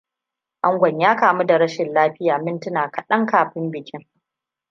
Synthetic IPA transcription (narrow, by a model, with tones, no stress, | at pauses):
ʔa˦ŋɡʷɐ˨ɲjaː˦kaː˨mu˦da˨ɾɐ˦ʃɪ˨nlaː˦ɸɪ˦jaː˨mɪ˦ntʊ˦naː˨kɐ˨ɗɐ˦ŋkaː˨ɸɪ˦mbɪ˨kʲɪ˦ŋ